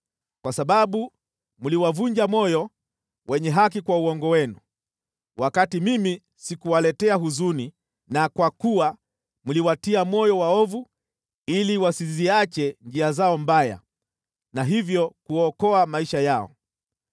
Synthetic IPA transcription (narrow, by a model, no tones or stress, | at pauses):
kwasaɓaɓu | muliwavuɲd͡ʒamɔjɔ | wʔɛɲɛɦak̬ikwauɔŋɡɔwɛnu | wʔakatimimi | sikuwalɛtɛaɦuzuni | nakwakuwa | muliwatiamɔjɔwaɔvu | iliwasiziat͡ʃɛnd͡ʒiazaɔm̩baja̰ | naɦivjɔkuɔkɔamaiʃajaɔ̰